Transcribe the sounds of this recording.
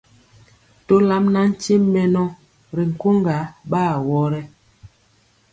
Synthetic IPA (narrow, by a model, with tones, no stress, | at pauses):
to˦la˦mna˦n̩˦t͡ʃi˦mːɛ˦nɔ˦ | ɾi˨ŋ̩˨ko˦ŋɡa˨˦ɓaː˦˨wɔ˦ɾɛ˦